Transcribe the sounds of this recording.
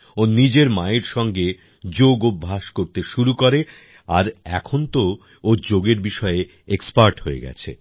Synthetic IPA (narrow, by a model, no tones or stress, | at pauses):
onid͡ʑeɾmaeɾʃɔŋɡe | d͡ʑoɡobʱːaʃkoɾt̪eʃuɾukoɾe | a̰ɾɛ̰kʰont̪o | od͡ʑoɡeɾbiʃɔe | ekspaɾʈɦoḛɡɛ̰t͡ɕʰḛ